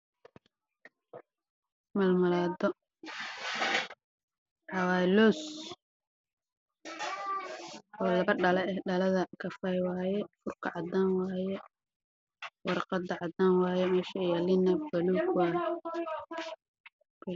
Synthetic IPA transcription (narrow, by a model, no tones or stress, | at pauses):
mɐlmɐlaːd̪ɔ | ħɑwaːjlɔːs | ɔːlɐβɐɖɐlɛɛɖɐlɐðɐkʰɐfɐjwaːjɛfʊrkʰɐʕɑd̪aːnwaːjɛ | wɑɾqɑd̪ɐʕɑd̪aːnwɑːjɛmɛːʃɐjɐlɪnɐbɐluːɡwaːjɛ